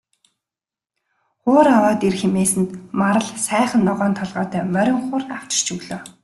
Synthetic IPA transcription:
χʊːɾawaːt̪erxemeːsɘ̆nt̪maɾə̆ɮsæːχə̆nːɔʁɔːnt̪ʰɔɮʁɔːt̪ʰœːmœɾʲɪ̆ŋχʊːraw̥t͡ɕɪ̥̆t͡ɕɵɣɮoː

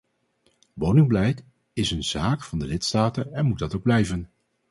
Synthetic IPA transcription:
ʋownɪŋbəlɛjt | ɪsənz̥aːkfɑndəlɪtstaːtənɛnmud̚dɑtowɡ̚blɛjvən

